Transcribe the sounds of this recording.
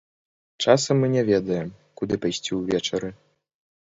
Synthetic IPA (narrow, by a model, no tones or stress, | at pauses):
t͡ʂasɐmːɨnʲɛvʲɛd̪ɐjɛm | kud̪ɨpɐjsʲt͡sʲiwvʲɛt͡ʃɛɾɨ